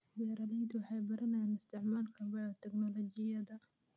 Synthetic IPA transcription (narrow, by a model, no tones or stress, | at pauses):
bɛːɾɐðɛjd̪ʊwɑħɑjbɐɾɐnɛjaːnɪst̪ɪʕmaːlkʰɐlbɛɔt̪ʰɛɡnɔlɔd͡ʒɪjɐðɐ